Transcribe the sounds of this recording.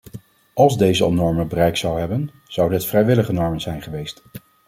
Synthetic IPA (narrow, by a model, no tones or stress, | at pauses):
ɑlˠzdejzəɑ̰lˠnɔɹməbərɛjksɑwɦɛbən | z̥ʌwdətfrɛjʋɪləχənɔɹmənzɛjnχəʋejst